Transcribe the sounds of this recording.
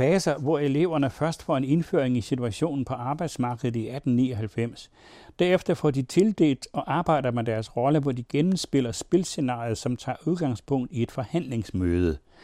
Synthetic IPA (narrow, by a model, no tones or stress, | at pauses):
fɛːsɐʋɒele̝̰ʊ̰ɐnəfɶɐsd̥fɒ̰e̝ne̝nfø̰ɐ̰eŋisit͡sʰuæɕo̝̰ːnn̩pʰɒ̽ʔɑ̈ːb̥ɑ̈ɪd̥smɑ̈ːɡ̥əð̩ˠiæd̥n̩nḭːɒ̽ɦælfem̰s | d̥æɐefd̥ɐfɒ̰ːd̥it͡sʰe̝ld̥e̝̰ːld̥ɒ̽ʔɑ̈ːb̥ɑ̈ɪ̰d̥ɐmed̥æɐsʁɒ̽ləʋɒːd̥iɡ̥enm̩sb̥e̝l̰ɐsb̥e̝lse̝nɑ̰̈ið̞̩ˠsɒ̽mt͡sʰɑ̰̈ːuðˠɡ̥ɑ̈ŋspʰɔ̽ŋ̰d̥ie̝d̥fɒ̽hæn̰le̝ŋsmøːð̞ˠə